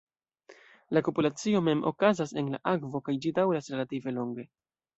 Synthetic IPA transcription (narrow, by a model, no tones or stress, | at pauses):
lapopulat͡sio̞me̞mʔo̞̰kazase̞nla̰ʔakvo̞kajd͡ʒidawɾasɾe̞lative̞lo̞ŋɡe̞